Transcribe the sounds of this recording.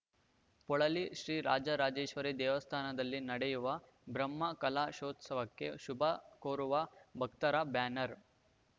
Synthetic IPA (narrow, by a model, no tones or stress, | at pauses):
pɔɭɐliʃɾiːɾaːd͡ʒɐɾaːd͡ʒeːʃʋɐɾed̪ɛːʋɐst̪ʰaːnɐd̪ɐlːinɐɽejuʋɐ | bɾɐmːɐkɐlaːʃoːt̪sɐʋɐkːeʃubʱɐkoːɾuʋɐbʱɐk̚t̪ɐɾabjaːnɐɾ